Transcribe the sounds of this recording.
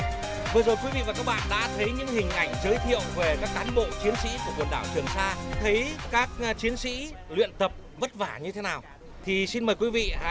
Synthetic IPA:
vɨ˨˩əzo˨˩jkwi˨˦vḭ˧˨vaː˨˩kaː˦˥k̚ɓa̰ː˧˨nɗa̰ː˧˥t̪ʰə˨˦jɲɨ̰˧˥ŋhï˨˩ŋ̟ʔa˧˩jŋ̟zəː˨˦jt̪ʰḭ˧˨əwve˨˩kaː˦˥k̚kaː˨˦nɓo̰˧˨t͡ɕi˨˦ənsḭ˧˥ku˧˩əkwnɗaː˧˩wt͡ɕɨ˨˩əŋsaː˧t̪ʰə˨˦jkaː˦˥k̚t͡ɕi˨˦ənsḭ˧˥lwḭ˧˨ənt̪ə˨˩p̚və˦˥t̚vaː˧˩ɲɨ˧t̪ʰe˨˦naː˨˩w | t̪ʰi˨˩si˧nməː˨˩jkwi˨˦vḭ˧˨a̰˧

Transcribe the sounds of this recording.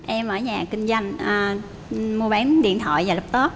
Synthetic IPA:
ʔɛ˧mʔəː˧˩ɲaː˨˩kï˧ŋ̟zwa˧jŋ̟ʔ | mu˧əɓaː˨˦nɗḭ˧˨ənt̪ʰwɔ̰˧˨jvaː˨˩lə˦˥k͡p̚t̪o˦˥t̚

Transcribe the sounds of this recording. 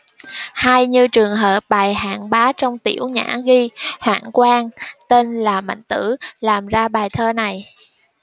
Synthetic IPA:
haː˧jɲɨ˧t͡ɕɨ˨˩əŋɦəː˨˩p̚ɓaː˨˩jha̰ː˧˨ŋɓaː˨˦t͡ɕɔ˧wŋ͡mt̪i˧˩əwɲa̰ː˧˥ɣi˧hwa̰ː˧˨ŋkwaː˧ŋt̪e˧nlaː˨˩ma̰˧˨jŋ̟t̪ɨ˧˥laː˨˩mzaː˧ɓaː˨˩jt̪ʰəː˧na˨˩j

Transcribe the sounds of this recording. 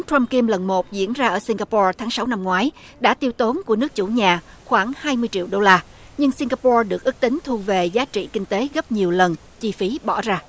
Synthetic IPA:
ŋt̪wa˧mki˧mlə˨˩nmo˨˩t̚zḭ˧˥ənzaː˧ʔəː˧˩si˧ŋ̟ɣaː˧pɔ˧t̪ʰaː˨˦ŋsa˨˦wna˧mŋwaː˨˦j | ɗa̰ː˧˥t̪i˧əwt̪o˨˦nku˧˩ənɨ˦˥ək̚t͡ɕṵ˧˩ɲaː˨˩ | xwaː˧˩ŋhaː˧jmɨ˧əjt͡ɕḭ˧˨əwɗo˧laː˧ | ɲɨ˧ŋsi˧ŋɣaː˧pɔ˧ɗɨ˨˩ək̚ʔɨ˦˥k̚t̪ï˨˦ŋ̟t̪ʰu˧ve˨˩zaː˨˦t͡ɕḭ˧˨kï˧ŋ̟t̪e˨˦ɣə˦˥p̚ɲi˨˩əwlə˨˩n | t͡ɕi˧fi˨˦ɓɔ˧˩zaː˧

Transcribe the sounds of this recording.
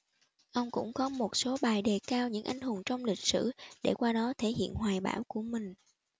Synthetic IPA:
ʔə˧wŋ͡mkʊ̰˧˥ŋ͡mkɔ˨˦mo˨˩t̚so˨˦ɓaː˨˩jɗe˨˩kaː˧wɲɨ̰˧˥ŋʔa˧˩jŋ̟hu˨˩ənt͡ɕɔ˧wŋ͡mlï˨˩k̟̚sɨ̰˧˩ɗḛ˧˩kwaː˧ɗɔ˨˦t̪ʰe˧˩hḭ˧˨ənhwaː˨˩jɓa̰ː˧˩wku˧˩əmï˨˩ŋ̟

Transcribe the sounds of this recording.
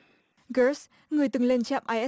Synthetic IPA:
ɣə˨˦s | ŋɨ˨˩əjt̪ɨ˨˩ŋle˧nt͡ɕa̰˧˨mʔaː˧jʔɛ˦˥

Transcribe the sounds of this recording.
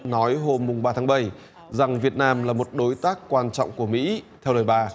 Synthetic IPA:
nɔ˨˦jɦo˧mːʊ˨˩ŋ͡mɓaː˧t̪ʰaː˨˦˥ɓə˧˩j | za˨˩ŋvi˨˩ət̚naː˧mlaː˨˩mo˨˩t̚ɗo˨˦jt̪aː˦˥kːwaː˧nt͡ɕɔ̰˧˨wŋ͡mku˧˩əmḭ˧˥t̪ʰɛ˧wɗəː˨˩jɓaː˧

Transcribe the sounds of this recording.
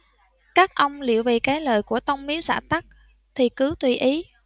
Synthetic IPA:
kaː˦˥k̚ʔə˧wŋ͡mlḭ˧˩əwvḭ˧˨˩kaː˨˦jləː˨˩jku˧˩ət̪ə˧wŋ͡mmi˨˦əwsa̰ː˧˩t̪a˦˥k̚ | t̪ʰi˨˩kɨ˨˦t̪wi˨˩ʔi˨˦

